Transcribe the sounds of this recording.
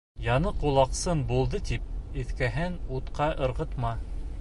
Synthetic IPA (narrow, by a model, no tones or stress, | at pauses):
jɑnɤqulˠɑqsɤnbulˠd̪ɤt̪ip̚ɘ̆θkæɦɘnut̪qɑʔɤ̆ɾʁɤ̆t̪mɑ